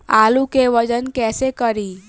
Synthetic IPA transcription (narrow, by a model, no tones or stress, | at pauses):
aːlukeʋəd͡ʒənkɛːsekəɾiː